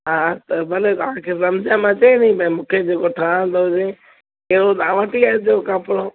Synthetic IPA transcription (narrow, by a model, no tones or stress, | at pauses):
ɦaːt̪ɐbɐleaɦãkʰesɐmd͡ʑãmãt͡ɕɐẽnĩbɐĩmũːkʰed͡ʑeːkoʈʰãːnd̪oɦʊd͡ʑẽ | eɾod̪aʋəʈiaːed̪oːkapɽoː